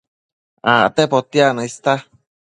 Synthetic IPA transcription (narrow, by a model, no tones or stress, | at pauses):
a̰t̪epot̪ianaist̪a